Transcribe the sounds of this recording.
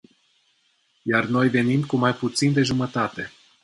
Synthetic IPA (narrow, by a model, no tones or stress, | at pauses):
jarno̞jve̞nimkumajput̪sind̪e̞ʒumət̪at̪e̞